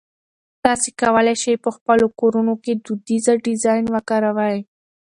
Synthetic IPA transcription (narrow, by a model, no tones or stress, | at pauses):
t̪ɑsekawəlaʃajpəxpəlokoɾunoked̪ud̪izaɖɪzɑjnwəkɑɾawəe